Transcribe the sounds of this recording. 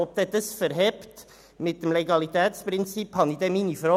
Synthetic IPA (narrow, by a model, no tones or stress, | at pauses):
ɔp̚t̪ɛt̪əsfəɾɦɛpt̪ | mɪt̚d̪ɛmlɛɡɑlit̪ɛːt̪spɾɪnt͡siphɑnid̪ɛmiːnifɾɔ